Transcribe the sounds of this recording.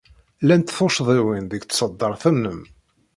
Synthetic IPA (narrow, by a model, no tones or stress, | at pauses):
lænt̪θoʃðˤiwinðəɡt̪sˤəd̪ːəɾˤθənːəm